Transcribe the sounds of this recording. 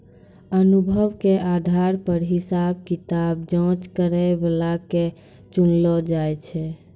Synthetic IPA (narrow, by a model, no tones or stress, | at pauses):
ənubʱəʋkeʔad̪ʱaɾpəɾɦisab̚kit̪abd͡ʒɔ̃t͡ʃkəɾɛbelake | t͡ʃunlɔd͡ʒajt͡ʃʰɛ